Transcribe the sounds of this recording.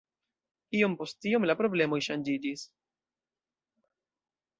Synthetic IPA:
io̞mpo̞stiomlapɾo̞ble̞mo̞jʃand͡ʒid͡ʒis

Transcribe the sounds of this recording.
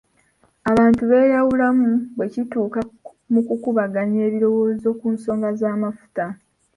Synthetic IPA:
aβaːntuβe̞ːɾawulamuβwe̞cituːka | mukukuβaɡaɲeːβiɾo̞wo̞ːzo̞ːkuːnso̞ːŋɡazaːmafu̥ta

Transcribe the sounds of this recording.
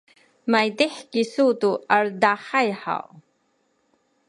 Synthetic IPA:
majdiħkisutuaɾdaħajħa̰w

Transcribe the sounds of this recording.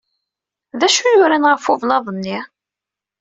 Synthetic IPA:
ðæʃujʊɾænʁəfʊvlɑðˤənːi

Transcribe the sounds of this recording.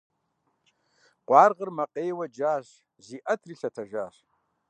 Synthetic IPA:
qʷʼɑːrʁərmɐqʼejwɐd͡ʒaːɕ | ziːʔɐtʰriɬɐtʰɐʒaːɕ

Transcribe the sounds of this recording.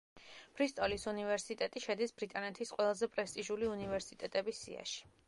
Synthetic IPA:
pʰɾist̪ʼɔlisunivɛɾsit̪ʼɛt̪ʼiʃɛd̪isbɾit̪ʼanɛt̪ʰisqʼwɛlˠazɛpʼɾɛst̪ʼiʒuliunivɛɾsit̪ʼɛt̪ʼɛbisːḭa̰ʃi̥

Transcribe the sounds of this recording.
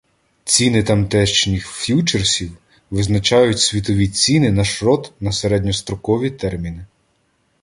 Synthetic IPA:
t͡sʲinɪt̪ɐmt̪ɛʃt͡ʃnʲixfʲjut͡ʃersʲiw | ʋɪznɐt͡ʃɑjʊtʲsʲʋʲit̪ɔʋʲit͡sʲinɪnɐʃɾɔt̪nɐseɾɛd̪ʲnʲɔst̪ɾɔkɔʋʲit̪ɛrmʲinɪ

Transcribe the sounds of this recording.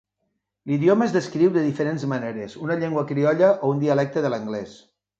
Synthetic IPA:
liðjoməezðəskɾiwðəðifəɾenzməneɾezunɐʎeŋɡwəkɾiɔʎəʔound̪iəlɛk̚t̪əðələŋɡlɛs

